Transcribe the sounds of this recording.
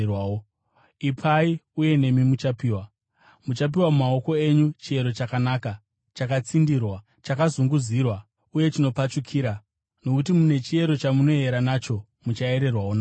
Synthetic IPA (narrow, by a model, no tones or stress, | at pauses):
o | ipʰaiuje̞ne̞mimut͡ʃapiːwa | mut͡ʃap̬iwamumao̞ko̞e̞ɲut͡ʃie̞ɾo̞t͡ʃakanaːka | t͡ʃakat͡sindirwa | t͡ʃakazuŋɡuzirwa | uje̞t͡ʃino̞pat͡ʃukʰiːɾa | no̞kutimune̞t͡ʃie̞ɾo̞t͡ʃamuno̞e̞ɾanat͡ʃo̞ | mut͡ʃae̞ɾe̞rwawona